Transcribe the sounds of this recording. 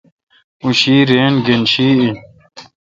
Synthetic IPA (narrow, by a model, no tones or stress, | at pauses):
uɕiːɾeːnɡenɕiːi